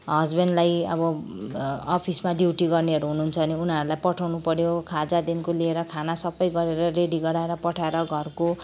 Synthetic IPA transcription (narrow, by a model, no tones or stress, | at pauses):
ɦʌsbenɖlajʌ̰bʌ | ɔpʰismaɖjiwʈiɡʌrniʌɾuɦunuːnt͡sʰʌʌniunaɾulajpʌʈʰawnupʌɾjokʰad͡zad̪inkolieɾʌkʰanasʌbʌjɡʌɾeɾʌreɖiɡʌɽaeɾʌpʌʈʰaeɾʌɡʱʌrko